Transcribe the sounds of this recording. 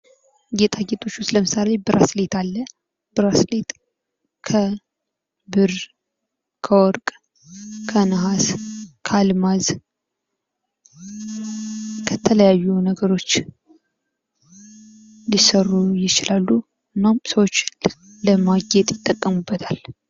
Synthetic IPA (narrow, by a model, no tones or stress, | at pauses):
ɡet̪ʼaɡet̪ʰʼo̞t͡ʃːust̪ləmɨsalebɨɾʔaslet̪ʰalːə | b̥ɨɾaslet̪ | kʰə | bɨɾ | kʰəwɔɾkʼ | kʰənɨɦaskʰalmaz | kʰət̪ʰələjajːunəɡəɾo̞t͡ʃː | lisərːujɪt͡ʃɪlalːu | ɨnːamsəwot͡ʃː | ləmaɡet̪ʼjɪt̪ʼːəkʼːəmubːət̪ʰal